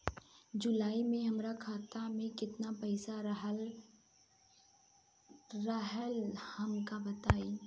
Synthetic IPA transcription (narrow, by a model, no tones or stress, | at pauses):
d͡ʒʊlaːimẽɦɐmɾakʰaːt̪amẽkɪt̪napɛɪsaɾɦ | ɾəɦəlhɐmkabɐt̪aːi